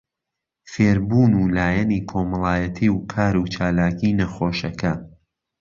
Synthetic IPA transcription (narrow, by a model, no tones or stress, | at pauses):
feːɾbuːnuːlaːjɐnikʰoːmɑlˠaːjɐt̪ʰiːwkʰaːɾuːt͡ʃaːlaːkinɐxoːʃɐkʰɐ